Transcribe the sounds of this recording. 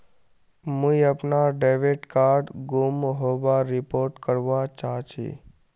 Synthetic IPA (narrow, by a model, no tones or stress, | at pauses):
mũiəpnaɖeʋeʈkaɾɖɡumɦoʋaɾɪpoɾʈkəɾʋat͡ʃat͡ʃʰḭ